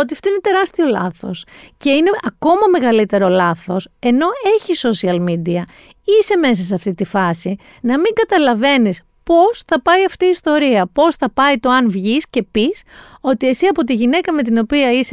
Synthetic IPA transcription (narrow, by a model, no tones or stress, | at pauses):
ot̪iɐft̪o̞inet̪e̞ɾɐst̪io̞lɐθo̞sce̞ine̞ʔɐko̞mɐme̞ɣɐlit̪e̞ɾo̞lɐθo̞se̞no̞e̞çiso̞siɐlmid̪iɐ | ise̞me̞s̬ɐs̬eɐft̪it̪ifɐsi | nɐmiŋɡɐt̪ɐlɐve̞nis | po̞sθɐpɐiɐft̪iːst̪o̞ɾiɐpo̞sθɐpɐit̪o̞ɐnvʝisce̞piso̞t̪ie̞siɐpo̞t̪iʝine̞kɐme̞t̪̬ino̞piɐise